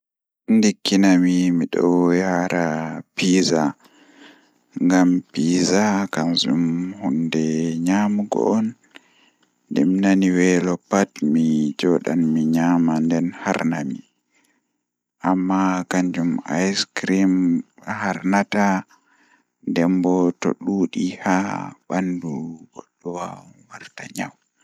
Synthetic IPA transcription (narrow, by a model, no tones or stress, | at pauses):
ndikːinamimiɗɔjaɾʔapiːza | ŋɡampiːzakanzṵmhundɛɲamuɡɔ̰ʔɔn | dḭmnaniwɛlɔpatmid͡ʒɔːɗa̰nmiɲaːmandɛnhaɾnami | ʔamːakaɲd͡ʒuma̰jskɾimhaɾnata | ndɛmbɔto̰ɗuːɗihaɓanduɡɔɗːɔwa̰waɾtaɲaw